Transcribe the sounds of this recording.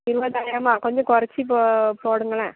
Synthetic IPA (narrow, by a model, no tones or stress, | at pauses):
ɪɾɯbɐðaːjɪɾɐmaːkɔɲd͡ʒɐ̃kɔɾɐt͡ʃːipopoːɽɯŋɡɐɭɐ̰̃ː